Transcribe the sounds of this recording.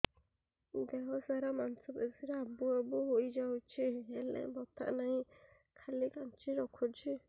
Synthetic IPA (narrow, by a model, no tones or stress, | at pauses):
dɛɦɔsaɾamansɔbɛsiɾeabuabuɦojd͡ʒawt͡ʃʰielɛ̰̃ʔbɔt̪ʰa̰ʔnaɦĩ | kʰalikant͡ʃiɾɔkʰɔt͡ʃʰi